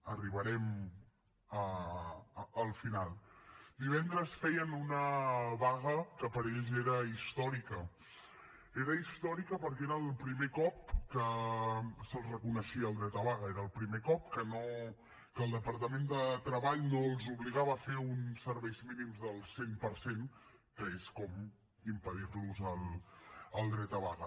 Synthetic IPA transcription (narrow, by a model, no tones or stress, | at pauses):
əriβəɾɛm | ə | əlˠfinalˠd̪iβɛnd̪ɾəsfɛjənunəβaɣəkəpəɾeʎzeɾəist̪ɔɾikə | eɾəist̪ɔɾikəpəɾkeɾəːlˠpɾimekɔp̚kə | səlˠzrəkunəʃiəːlˠd̪ɾɛt̪əβaɣəeɾəːlˠpɾimekɔp̚kəno | kəlˠd̪əpəɾt̪əmend̪ət̪ɾəβaʎnoəlˠzuβliɣaβəːfeunsəɾβɛjzminimzðəlˠsempəɾsenkəeskɔm | impəðirluzəlˠ | əlˠd̪ɾɛt̪əβaɣə